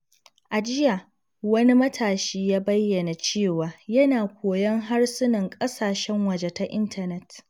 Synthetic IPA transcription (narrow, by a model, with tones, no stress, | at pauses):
ʔa˨d͡ʒɪ˦ja˨ | wɐ˦ni˦mɐ˦tʰaː˨ʃiː˦jaː˦bɐ˦jːɐ˨na˨t͡ʃeː˦˨waː˨jɐ˦naː˨kʷoː˨jɐ˦ŋɦa˦rsʊ˦nɐ˨ŋkʼɐ˦saː˨ʃɛ˦ŋwɐ˨d͡ʒe˦ta˦ʔɪ̰˦ntʰɐ˨nɛ˦t